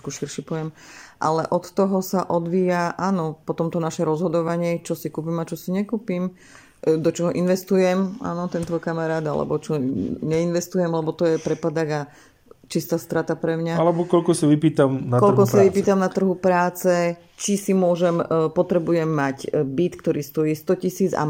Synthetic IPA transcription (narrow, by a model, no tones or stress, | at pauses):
kuʃiɾʃipɔjɛmʔa̰lɛʔɔt̪t̪ɔɦɔsaʔɔd̪ʋiːjaʔaːnɔpɔt̪ɔmt̪ɔnaʃɛɾɔzɦɔd̪ɔʋaɲɪɛt͡ʃɔsikuːp̬imat͡ʃɔsiɲɛkuːpim | d̪ɔt͡ʃɔɦɔʔinʋɛst̪ujɛmʔa̰ːnɔt̪ɛnt̪ʋɔjkamaɾaːd̪a̰lɛ̰bɔt͡ʃɔɲɛinʋɛst̪ujɛmlɛbɔt̪ɔjɛpɾɛpad̪aɣa | t͡ʃist̪aːst̪ɾat̪apɾɛmɲaalɛbɔkɔlkɔsaʋipiːt̪amnakɔlkɔsaʋipiːt̪amnat̪r̩ɦupɾaːt͡sɛ | t͡ʃisimʊɔʒɛmpɔt̪ɾɛbujɛmːaɟbit̪kt̪ɔɾiːst̪ɔjiːst̪ɔcisiːd͡za̰